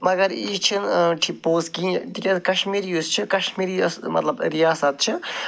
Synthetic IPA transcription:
mɐɡɐɾḭt͡ʃʰinʈʰipoːskĩt̪ikʲet̪kɐʃmiɾiust͡ʃʰikɐʃmiɾḭsmɐ̰t̪lɐbɾijaːsɐt̪̚t͡ʃʰi

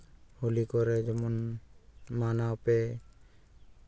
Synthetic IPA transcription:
hulikɔɾɛd͡ʒɔmɔn | manaɔpɛ

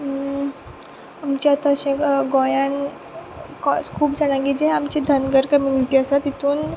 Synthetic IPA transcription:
amt͡ɕaat̪aəɕẽɡõjãn | kɔskʰuːpd͡zaɽ̃aɡid͡ʑeamt͡ɕed̪ʱənɡəɾkəmjuniʈiəsat̪it̪uːn

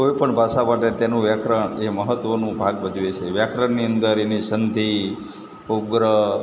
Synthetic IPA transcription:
koipəɳbʱaʃamaʈet̪enũʋjakɾəɳeməɦət̪ʋənũbʱaɡbəd̪iet͡ʃʰeʋjakɾəɳnːiənd̪əɾenisənd̪ʱi | oɡɾə

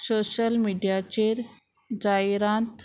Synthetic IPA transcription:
soɕəlmiɖijat͡ɕeɾ | d͡ʑajɾãnt̪

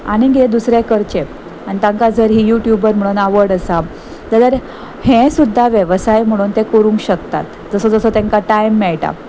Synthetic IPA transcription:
aɽ̃iɡeed̪usɾjakəɾt͡ɕe | aɽ̃it̪ãŋkad͡zəɾɦiːjuʈjubəɾm̤əɽ̃uːnaʋəɽəsa | t̪ad̪əɾ | hẽsud̪ʱːaʋjəʋsajm̤əɽ̃uːnt̪ẽkəɾũŋkɕəkt̪a̰t̪ | d͡zəsəd͡zəsət̪ɛ̃ŋkaʈajmːɛɭʈa̰

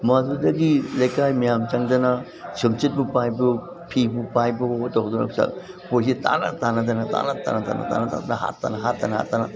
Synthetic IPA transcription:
mazudɐɡilɐjkajmijamt͡ʃaŋdɐna | sɯmt͡ʃit̚bupajbɯ | pʰibupajbɯtɔwduna̰psa̰ | pojsita̰na̰tanɐdanata̰nata̰nata̰na̰ta̰nata̰danaha̰tːa̰naɦatːanaɦa̰tːana

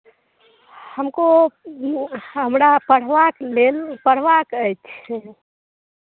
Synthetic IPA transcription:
həmko | ɦəmɾapəɽ̤ʋaklelpəɽ̤ʋakəjt͡ʃʰ

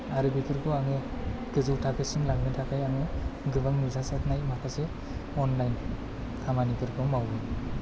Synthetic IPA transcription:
aɾɯbipʰɯɾkʰɯaŋɯɡɯzɯwtʰakʰɯsɯŋlaɡnɯtʰakʰajaŋɯɡɯbɯŋnuzasatʰnajmakʰase | ɔnlajn | kʰamanipʰɯɾkʰɔmawbɯ

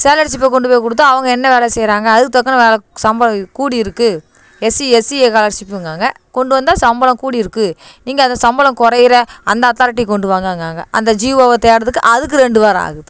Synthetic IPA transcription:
seːlɐɾsɪp̬ːɐkɔɳɖɯpoːjkɔɽɯt̪ːãɐʋɐŋɡɐɛnːɐʋeːlɐsɛjɾaːŋɡɐːðɯkːɯt̪ɔkːɐnɐʋeːlɐsɐmbɐlɐkuːɽiɪɾɯkːɯ | ɛsiɛsiekaːlɐɾsɪpːɯŋɡaːŋɡɐ | kɔɳɖɯʋɐnd̪aːsɐmbɐlɐ̃mkuːɽiɪɾɯkːɯniːŋɡɐɐnd̪ɐsɐmbɐlɐ̃mkɔɾɐjɪɾɐɐnd̪ɐːt̪aːɾɪʈ̬ːikɔɳɖɯʋaːŋɡaːŋɡaːŋɡɐ̰ʔɐ̰nd̪ɐd͡ʒiːʋoːʋɐt̪ejɽɐðɯkːɯ̰ʔɐðɯkːɯɾɛɳɖɯʋɐɾɐ̃a̰ːɣɯðɯ

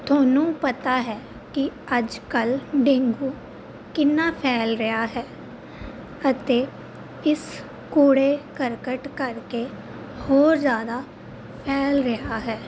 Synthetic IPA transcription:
t̪ʰoːnũːpət̪aːɦɛː | kɪəd͡ʒkəlɖẽŋɡuː | kɪnːaːpʰɛːlɾəjaːɦɛː | ət̪eː | ɪs | kuːɽeːkəɾkəʈkəɾke | hoːɾzjaːd̪aː | pʰɛːlɾəɦaːɦɛː

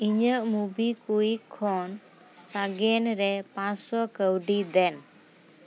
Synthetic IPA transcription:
iɲəʔmubikujkʰːɔn | saɡɛnɾɛpãsɔkəwɖid̪ɛn

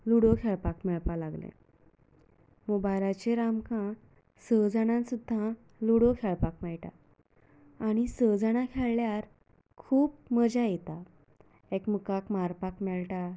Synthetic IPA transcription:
luɽokʰeɭpakmɛɭpalaɡlḛ̃ | mubajɾat͡ɕeɾamkʰã | səd͡zəɽ̃ãnsud̪ʱːã | luɽokʰeɭpakmɛɭʈa̰ | aɽ̃isəd͡zəɽ̃ãkʰɛɭːjaɾ | kʰuːpməd͡ʑajet̪a | ekmukakmaɾpakmɛɭʈa

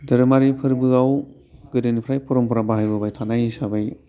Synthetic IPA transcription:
dɯɾɯmaɾipʰɯɾbɯaw | ɡɯdɯnipʰɾajpuɾɔmpuɾabaɦajbɯbajtʰanajisabaj

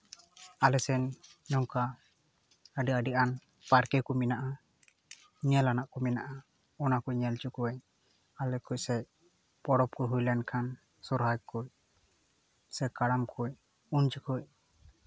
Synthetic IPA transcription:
alɛsɛnɲɔŋka | əɖiaɖiʔan | paɾkɛkɔminaʔa | ɲɛlanaʔkɔminaʔa | ɔnakujɲɛlt͡ʃukuwɛ | alɛkuc̚sɛ | pɔɽɔp̚kɔɦujlɛnkʰan | sɔɾɦajkuj | sɛkaɽamkʰuj | unt͡ʃikuc̚

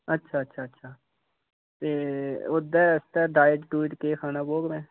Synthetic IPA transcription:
ɐtːʃʰaɐtːʃʰaɐtːʃʰaː | t̪eːʊd̪ːɛɐst̪aɖaːjəʈʈuːɪʈkekʰaːnaboːɡmɛ̃ː

